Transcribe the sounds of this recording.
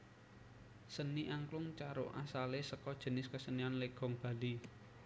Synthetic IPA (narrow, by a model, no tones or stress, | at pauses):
səniʔaŋklʊŋt͡ʃaɾʊʔa̰salesəkɔd̥ʒ̥ə̤nɪskəsənianleɡ̥ɔ̤ŋb̥a̤li